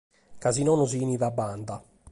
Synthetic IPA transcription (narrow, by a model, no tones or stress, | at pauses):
kazinɔnuziniðabːand̪a